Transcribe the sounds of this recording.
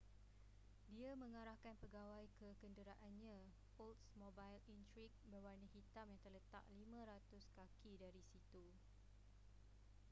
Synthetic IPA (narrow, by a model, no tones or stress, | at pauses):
diamə̃ŋaɾahkanpəɡawajkəkəndəɾaʔanɲã | oltsmobajlint̪ɾik̚bərbanəhit̪amjaŋt̪ərlət̪a̰ʔ̚limãɾat̪ʊskakʰidaɾisit̪u